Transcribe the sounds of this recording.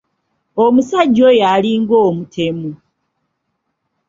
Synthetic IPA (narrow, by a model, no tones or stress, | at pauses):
omusaɟːojaliŋɡoːmutʰemu